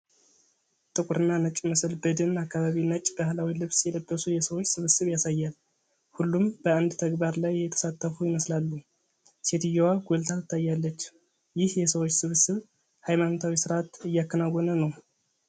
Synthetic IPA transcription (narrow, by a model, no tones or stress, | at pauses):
t̪ʼɨkʼuɾɨnːanət͡ʃʼməsəlbəd̪ɨnakːaβaβinət͡ʃʼbahlawilɨβsjɛləbːəsujɛsəwot͡ʃːsɨβɨsɨβjasajːal | hulːumb̥əand̪t̪ʰəɡbaɾlajːɛt̪ʰə̥sat̪ʰːəfujɪməslalːu | set̪ɨjowaɡʷolt̪ʰat̪ɨt̪ʰːajːalːət͡ʃː | jɪhjɛsəwot͡ʃːsɨβɨsɨβ | hajmanot̪ʰawisɨɾʔat̪ɨjːakːənaɡonənəw